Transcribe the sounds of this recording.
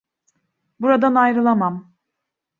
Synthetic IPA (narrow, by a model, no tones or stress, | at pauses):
buɾad̪anajɾɯlˠamam